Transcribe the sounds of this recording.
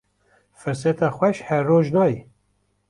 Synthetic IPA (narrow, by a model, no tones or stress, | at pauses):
fɨɾsɛt̪ʰɑːxwɛʃhɛɾːoːʒnɑːji